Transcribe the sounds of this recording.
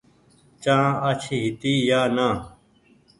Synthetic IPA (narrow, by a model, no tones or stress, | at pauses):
t͡ʃãːat͡ɕʰiɦɪt̪iːjaːnãː